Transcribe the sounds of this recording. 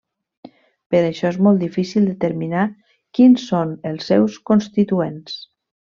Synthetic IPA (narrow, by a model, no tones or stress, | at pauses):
pəɾəʃɔezmɔlˠt̪d̪ifisilˠd̪ət̪əɾmina | kinsonəlˠsːɛwskonst̪it̪uens